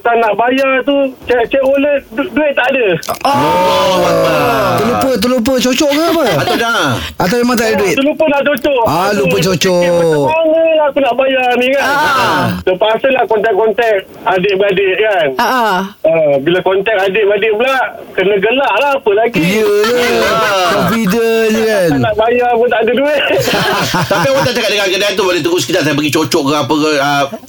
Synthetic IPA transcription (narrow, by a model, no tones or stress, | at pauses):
t̪anaʔbajart̪ut͡ʃaʔt͡ʃaʔoləhduɪt̪̚ːaʔadə | t̪əlupət̪̬əlup̬ət͡ʃot͡ʃɔʔkaapəat̪awd͡ʒaŋaŋat̪̬awamat̪̬aʔdəduɪt̪əlupənaʔt͡ʃot͡ʃɔʔalup̬ət͡ʃot͡ʃɔəaməlaakunaʔbajarnikant̪əpasəlahkɔnt̪ɛk̚kɔnt̪ɛk̚ | adɪʔbəadeʔ̚kanaʔaəbilakɔnt̪ɛk̚adɪʔbadɪʔbla | kənəɡəlaʔlahːpəlaɡijəlakofidəɲəkannaʔbajaŋpʊnt̪aʔdəduɪt̪t̪aiawat̪at̪akaʔdəŋankənaant̪ubolet̪əɡʊsəkit̪aʔt̪̬abəɡit͡ʃot͡ʃɔʔkaapəkəə